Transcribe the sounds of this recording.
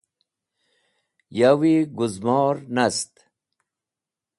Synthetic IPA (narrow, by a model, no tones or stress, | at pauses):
jawiɡuzmɔːɾnast̪